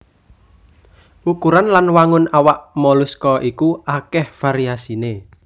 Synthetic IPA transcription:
ukuɾanlanwaŋʊnawaʔmɔluskɔʔikuakɛhfaɾiasine

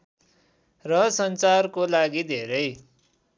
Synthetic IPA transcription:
rʌsʌnt͡sarkolaɡid̪ʱeɾʌj

